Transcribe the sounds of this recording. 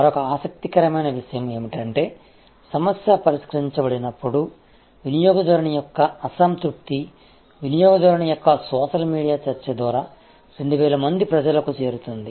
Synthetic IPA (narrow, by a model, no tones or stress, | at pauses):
mɐɾɔkɐaːsɐk̚t̪ikɐɾɐmɐjnɐʋiʂɐjɐme̞ːmiʈɐɳʈe̞ː | sɐmɐsjɐpɐɾiʂkɾɐɦiɲt͡ʃɐbɐɽinɐpːuɽu | ʋinijɔːɡɐd̪ɐɾɐɳɐjɔkːɐːsɐmt̪ɾup̚t̪i | ʋinijɔːɡɐd̪ɐɾɐɳɐjɔkːɐsɔːʃɐlmiːɽijaːt͡ʃɐɾt͡ʃed̪ʋaːɾaː | ɾe̞ɳɖuʋɛːlɐmɐnd̪ipɾɐd͡ʒɐlɐkut͡ʃe̞ːɾut̪und̪i